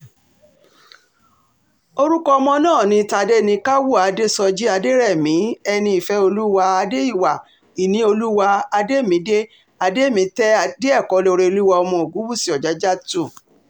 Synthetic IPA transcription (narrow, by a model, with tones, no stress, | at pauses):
o˧ɾu˦kɔ˦ɔ˧mɔ̃˧nãː˦˨nĩ˧˦ta˧de˦˨nĩ˧ka˦wu˦˨a˨de˦sɔ˧d͡ʒi˦a˧de˦ɾɛ˦˨mĩ˨˦ɛ˧nĩ˧i˨fɛ˧˦o˧lu˦wa˧a˧de˦i˦˨wa˨ | i˨nĩ˧˦o˧lu˦wa˧a˧de˦˨mĩ˨˦de˦ | a˧de˦˨mĩ˨˦tɛ˦a˧de˦ɛ˦˨kɔ˨˦lo˧ɾe˧lu˦wɔ˧ɔ˧mɔ̃˧o˨ɡu˨˦wu˦˨si˨˧˦ɔ˨d͡ʒa˨˦d͡ʒa˦tu˦˨